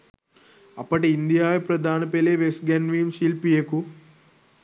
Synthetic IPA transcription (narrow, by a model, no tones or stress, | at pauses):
ɐpːɐʈiind̪ijaːjepɾɐd̪ʱaːnɐpeleʋesɡɐnʋiːmʃilpijeku